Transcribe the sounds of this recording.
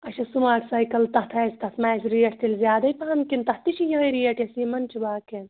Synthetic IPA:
ɐʃɐsumaːksaːjkɐlt̪ɐht̪ʰɐːst̪ɐt̪ʰmaːt͡ʃʰɾijɐʈʰt̪ilzjaːd̪ɐjpɐɐmkint̪ɐht̪iʃʰijɐɦɐɾijɐʈjɐsiːmɐnt͡ʃʰibaːken

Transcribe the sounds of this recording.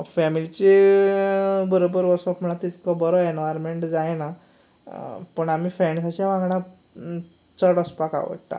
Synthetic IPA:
fɛmilit͡ɕe | bəɾobəɾʋəɾsɔpm̤əɽ̃ãt̪it̪kɔbɔɾɔenʋaɾmeɳʈd͡zajna | pəɳamiːfɾeɳɖsat͡ɕjaʋãŋɡɽ̃ã | t͡səɽəspaka̰ʋə̰ʈʈ̪a̰

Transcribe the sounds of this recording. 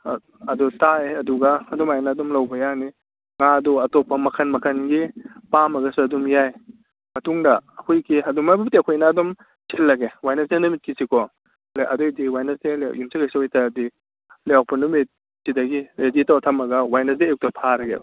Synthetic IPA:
ɐdutaeɐduɡɐːdɔmajnaːdɔmlɐwbɐjani | ŋaɐdɔɐtopːɐmɐkʰɐnmɐkʰɐnɡipamɐɡɐsuɐdumjaj | mɐtuŋdɐːkʰojkiɐdumabɐbitiɐkʰojnaːdɔm | sʰelːɐɡewajnɐsdenumit̚kisikɔ | leʔɐdojdiwajnɐsdeljumsakajsaojtɐdi | leawpɐnumit̚ | sidɐɡiɾeditawtʰɐmɐɡɐwajnɐs̬dijk̚tɐpʰaɾɐɡḛ

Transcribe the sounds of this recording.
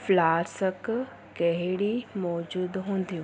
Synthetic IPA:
flaːɾsək | kɐɦɪɽimɔːd͡ʒuːd̪ɦõːnd̪ijũː

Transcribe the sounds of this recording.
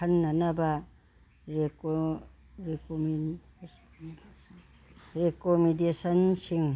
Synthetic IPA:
ɐnːanaba | ɾe | ɾekomi | ɾekomidesɐnsiŋ

